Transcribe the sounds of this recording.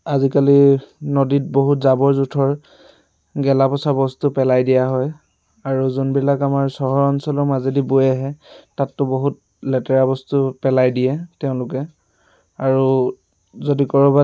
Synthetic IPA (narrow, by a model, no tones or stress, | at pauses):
azikalinodit̚boɦutzabɔɹzutʰɔɹ | ɡɛlapɔsabɔstupɛlajdijaɦɔj | aɹuzunbilakamaɹsɔɦɔɹɔnsɔlɔmazedibojɛɦɛtatːʊboɦut̚ | lɛtɛɹabɔstupɛlajdijɛtɛʊ̃lʊkɛ | aɹu | zodikɔɹɔba